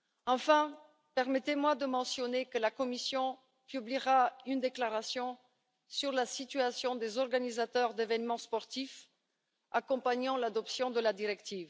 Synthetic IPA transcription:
ɑ̃fɛ̃ | pɛʁmɛt̪emwad̪əmɑ̃sjɔnekəlakɔmisjɔ̃ | pybliʁaynd̪eklaʁasjɔ̃ | syʁlasit̪yasjɔ̃d̪ezɔʁɡanizat̪œʁd̪evɛnmɑ̃spɔʁt̪if | akɔ̃paɲɑ̃lad̪ɔpsjɔ̃d̪əlad̪iʁɛkt̪iːv

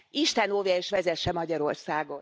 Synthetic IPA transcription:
iʃt̪ɛnoːvjɛeːʃʋɛzɛʃːɛmɒɟɒɾo̞rsaːɡo̞n

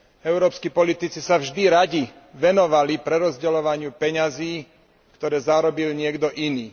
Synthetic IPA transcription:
ɛʊɾɔːpskiːpɔlit̪it͡sisavʒd̪iɾaɟi | ʋɛnɔʋalipɾɛɾɔzɟɛlɔʋaɲɪupɛɲaziː | kt̪ɔɾɛːzaːɾɔbilɲɪɛɡd̪ɔʔiniː

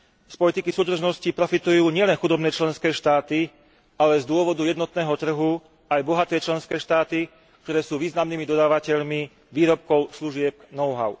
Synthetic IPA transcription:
spɔlit̪ikisuːd̪r̩ʒnɔscipɾɔfit̪ujuːɲɪɛlɛnxud̪ɔbnɛːt͡ʃlɛnskɛːʃt̪aːt̪i | alɛzd̪ʊɔʋɔd̪ujɛd̪nɔt̪nɛːɦɔt̪r̩ɦu | ajbɔɦat̪ɛːt͡ʃlɛnskɛːʃt̪aːt̪i | k̚t̪ɔɾɛːsuːʋiːznamniːmid̪ɔd̪aːʋacɛʎmi | ʋiːɾɔp̚kɔʊsluʒɪɛpnɔʊɦa̰ʊ

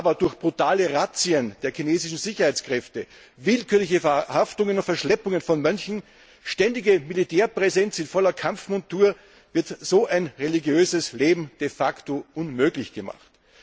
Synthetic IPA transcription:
ʔaːbɐdʊɐçb̥ʁutaːləʁat͡siənd̥eːɐkʰineːzɪʃn̩zɪçɐhaɪt͡skʁ̥ɛftə | vɪlkyːɐlɪçəhaftʊŋənʊntfɛɐʃlɛpʊŋənfɔnmœnçn̩ | ʃtɛndɪɡəmilitʰɛːɐpʁɛzɛnt͡sɪnfɔlɐkʰamfmʊntuːɐ | vɪɐtz̥oːʔaɪnʁeliɡjøːzəsleːbm̩d̥efaktoʔʊnmøːɡlɪçɡ̥əma̰χt

